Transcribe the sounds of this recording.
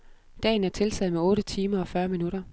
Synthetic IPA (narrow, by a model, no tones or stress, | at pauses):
d̥ɛ̰ːn̩æɐt͡sʰe̝lt͡sʰɛ̰ːð̩ˠmeɔ̽ːɾət͡sʰiːmɐɒ̽fɶɐminuɾ̥ɐ